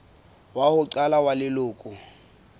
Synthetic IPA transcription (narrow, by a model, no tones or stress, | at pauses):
wahʊǀalawalɪlʊːkʼʊ